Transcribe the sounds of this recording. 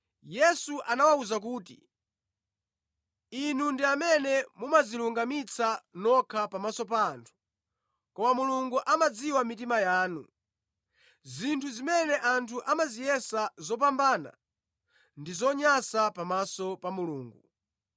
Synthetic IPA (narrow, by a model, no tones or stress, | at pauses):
jɛsuʔanawauzak̬uːtḭ | inundiamɛnɛmumaziluŋɡamit͡sʰanɔkʰapamasɔpantʰu̥ | kɔmamuluŋɡuʔamad͡ziwamit̬imajaːnu | zintʰuzimɛnɛʔantʰuʔamazijɛsazɔp̬ambaːna̰ | ndizɔɲasapamasɔpamuluːŋɡu